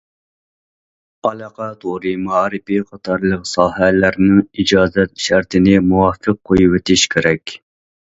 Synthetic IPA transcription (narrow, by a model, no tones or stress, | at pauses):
ɑlˠɑqʰɑt̪ʰoɾɨmɑɑːɾɨpiqʰɑt̪ʰɑɾlˠəqsɑːhælæɾnɪŋid͡ʒɑːzɛt̪ʃæɾt̪ʰɪnɪmuwɑːfəqʰːojuwet̪ʰɪʃkʲʰeɾɛkʲ